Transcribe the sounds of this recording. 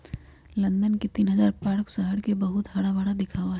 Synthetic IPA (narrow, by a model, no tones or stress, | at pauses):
lɐ̃nd̪ənket̪iːnɦəzaːɾpaːɾksaɦəɽkebɐɦʊt̪ɦaːɽaʋaːɽad̪ɪkʰaːʋaɦɛ